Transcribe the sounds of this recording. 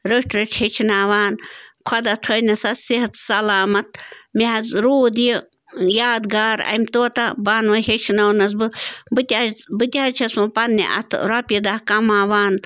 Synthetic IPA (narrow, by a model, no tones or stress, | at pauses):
ɾəʂʈɾɨt͡ʃʰhet͡ʃʰinaːʋaːnkʰɐd̪ɐt̪ʰəjnɐsɐsiɦɐt̪sɐlaːmɐt̪̚miɦɐzɾoːd̪ji | jaːd̪ɡaːɾɐ̰mt̪oːt̪ɐbaːnʋɐhet͡ʃʰnɐwnɐs̬bɨbɨt̪ʲabɨt̪ʲaːt͡ʃʰɐsũpɐnːḭʔɐ̰t̪ʰɾɐpjid̪akɐmaːʋaːn